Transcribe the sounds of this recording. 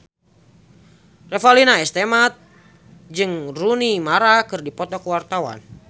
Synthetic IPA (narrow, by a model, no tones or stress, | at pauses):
rɛfalinaɛst̪emat̪̚ | d͡ʒɨŋrunimaɾakɨrdipɔt̪ɔkəwart̪awa̰n